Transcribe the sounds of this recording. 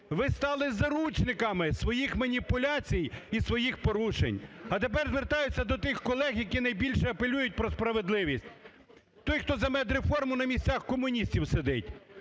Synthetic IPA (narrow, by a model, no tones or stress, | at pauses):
ʋɪst̪ɑlˠɪzɐɾut͡ʃnɪkɐmɪsʋɔjixmɐnʲipʊlʲat͡sʲijisʋɔjixpɔɾuʃḛnʲɐt̪ep̬ɛrzʋert̪ɑjʊt͡sʲːɐd̪ɔt̪ɪxkɔlˠɛɣjɐkʲinɐjbʲilʲʃɛɐpelʲujʊt̚ʲpɾɔspɾɐʋe̞d̪lˠɪʋʲisʲtʲ | t̪ɔjxt̪ɔzɐmɛd̪ɾefɔrmʊnɐmʲisʲt͡sʲaxkɔmʊnʲisʲtʲiwsed̪ɪtʲ